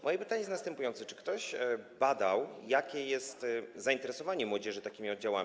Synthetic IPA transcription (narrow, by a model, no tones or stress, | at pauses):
mɔjɛpɘt̪aɲɛjɛsnast̪ɛmpujɔnt̪sɛt͡ʂɘ̥kt̪ɔɕbad̪awjakʲɛjɛst̪zaint̪ɛɾɛsɔvaɲɛmwɔd͡ʑɛʐɘt̪akʲimʲiɔd̪̚d͡ʑawa̰mʲi